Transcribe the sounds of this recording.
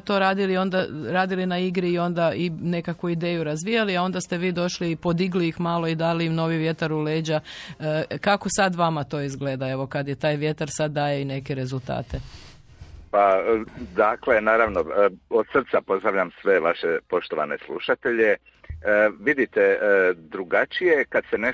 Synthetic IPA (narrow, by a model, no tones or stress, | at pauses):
t̪o̞ːɾaːd̪ilio̞nd̪aɾaːd̪ilinaiɡɾiːo̞nd̪aine̞kakʋuid̪e̞ːjuɾazʋijaliao̞nd̪ast̪e̞ʋiːd̪o̞ʃliːpo̞d̪iɡlijixmaːlo̞id̪aːliimno̞ːʋiʋje̞t̪aɾule̞ːd͡ʑa | kako̞sad̪ʋamat̪o̞ːizɡle̞ːd̪ae̞ʋo̞kad̪jet̪aːjʋje̞t̪aɾsad̪ːaːje̞ine̞ke̞ɾe̞zult̪a̰ːt̪e̞ | pad̪aklenaːɾaʋno̞od̪srt̪sapo̞zd̪ɾaʋʎamsʋe̞ʋaʃepo̞ʃt̪o̞ʋa̰neslṵʃat̪eʎe | ʋid̪it̪ed̪ɾuɡat͡ʃijekad̪̥sene